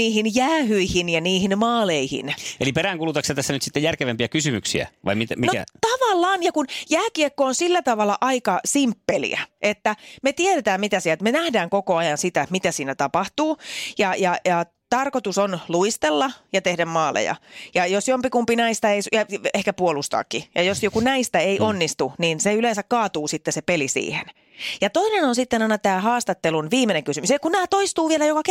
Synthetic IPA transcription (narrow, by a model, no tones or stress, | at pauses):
niːhinjæːhyihinjɑniːhinmɑːleihḭnḛlipeɾæːŋkulut̪ɑksɑt̪æsːænyt̪sit̪ːejærkeʋempiækysymyksḭæ̰ʋɑ̰imit̪æminokæ̰t̪ɑʋɑlːɑːnjɑkunjæːkiekːoːnsilːæt̪ɑʋɑlːˑɑʔɑikɑsimpːelḭæ̰ʔet̪ːæmet̪ieɾet̪æːmmit̪æsiɛlt̪menæhdæːŋkokoɑjɑnsit̪æmit̪æsiːnæt̪ɑpɑht̪uːjɑjɑjɑ | t̪ɑrkot̪usonluist̪elːɑjɑt̪ehdæmmɑːlḛjɑ̰jɑjosjompikumpinæist̪ɑeisjɑehkæpuolust̪ɑ̰ːkːijɑjosjokunæist̪æeiʔonːist̪uniːnseyleːnsækkɑːt̪uːsit̪ːesepelisḭːhḛn | jɑt̪oinenonsit̪ːenɑinɑt̪æːhɑːst̪ɑt̪ːelunʋiːmeneŋkysymysekunnæːt̪oist̪uːʋielæjokɑk